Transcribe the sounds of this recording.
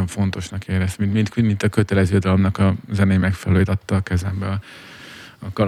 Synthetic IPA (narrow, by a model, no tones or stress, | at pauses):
oɱfo̞nt̪o̞ʃnɒkeːɾɛst̪mint̪mint̪kymint̪ɒkø̞t̪ɛlɛzøːd̪ɒlo̞mnɒkɒzɛneːmɛkfɛlɛløːjet̪ɒt̪ːɒːkɛzɛmbɛɒ | ɒkɒl